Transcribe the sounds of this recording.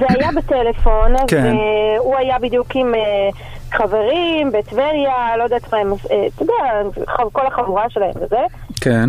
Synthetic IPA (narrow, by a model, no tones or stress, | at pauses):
zeajabetele̞fo̞nvkeuajabid̪jukime | χaveʁimbeːt̪veljalo̞d̪at̪maemset̪od̪ɛaχakolaχavuʁaʃelahe̞mvezeken